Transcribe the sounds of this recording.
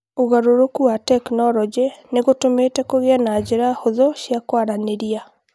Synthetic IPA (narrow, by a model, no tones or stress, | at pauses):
oɣaɾoɾokuatɛknɔɾɔd͡ʒeneɣotometɛkoɣeanaːd͡ʑeɾahoðɔʃjakwaɾaneɾia